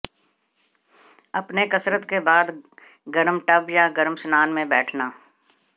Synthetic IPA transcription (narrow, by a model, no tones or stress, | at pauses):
ɐpnekɐsɾət̪kebaːd̪ | ɡəɾmʈɐbjaɡəɾmsnaːnmẽbɛːʈʰnaː